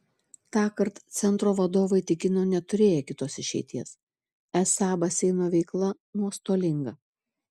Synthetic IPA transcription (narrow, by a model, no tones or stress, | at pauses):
t̪ɑːkɐɾt̪t̪sʲɛnˑt̪ɾoːʋɐd̪oːʋɐɪt̪ʲɪkʲɪnoːnʲɛt̪ʊɾʲeːjɛkʲɪt̪oːsɪʃʲɛ̰ɪt̪ʲiɛs | ɛsɑːbɐsʲɛɪnoːʋʲɛɪklˠɐ | nuɔst̪oːlʲɪŋɡɐ